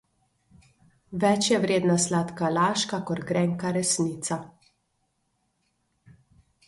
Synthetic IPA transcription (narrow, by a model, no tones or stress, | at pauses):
ʋɛt͡ʃjɛʋɾeːd̪naslaːt̪kalaːʃkakɔɾɡɾɛːŋkaɾɛsniːt̪sa